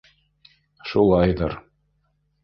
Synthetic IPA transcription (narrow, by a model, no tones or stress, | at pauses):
ʃulˠɑjðɤɾ